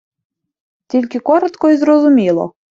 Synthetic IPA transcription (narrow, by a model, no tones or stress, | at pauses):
t̪ʲilʲkʲekoɾət̪koizrozumʲelˠo̰